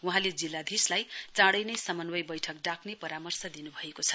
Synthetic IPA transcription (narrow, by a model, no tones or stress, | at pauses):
uɦãled͡zilːad̪ʱislajt͡sãɽʌjnʌjsʌmʌnwʌjbʌjʈʰʌk̚ɖakʰnepʌɾamʌrsʌd̪inubʱʌekot͡sʰʌ̥